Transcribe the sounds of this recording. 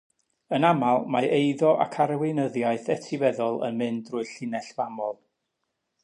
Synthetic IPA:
ənamalˠmaʔejðɔʔa̰kʰaɾəwɪnəðjaɨθɛtʰɪvɛðɔlˠə̰nmɨndrʊːɨɬɪnɛɬvamɔlˠ

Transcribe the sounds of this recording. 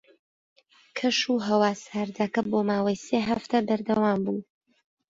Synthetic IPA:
kʰɐʃuːɦɐwaːsaːɾd̪akɐboːmaːwɐjseːɦɐft̪ʰɐbɐɾd̪ɐwaːmbuː

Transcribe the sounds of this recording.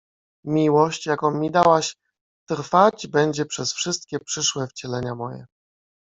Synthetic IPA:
mʲiwɔɕt͡ɕjakɔ̃mʲid̪awaɕ | t̪ɾfad͡ʑbɛɲd͡ʑɛpʂɛsfʂɘst̪kʲɛpʂɘʂwɛft͡ɕɛlɛɲamɔjɛ̰

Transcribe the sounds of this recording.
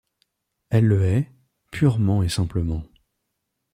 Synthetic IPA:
ɛlːəɛ | pʰyʁmɑ̃esɛ̃pləmɑ̃

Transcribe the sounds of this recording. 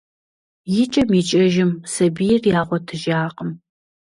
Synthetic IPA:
jɪt͡ʃʼɐmiːt͡ʃʼɐʒɪmsɐbijɪrjaːʁʷɔtʰɨʒaːqəm

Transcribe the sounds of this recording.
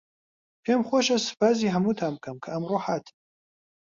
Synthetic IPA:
pʰeːmχʷoʃɐsɨ̥pʰaːziːɦɐmut̪ʰaːm̚kʰɐmkʰɐɐmroħaːt̪ʰi̥

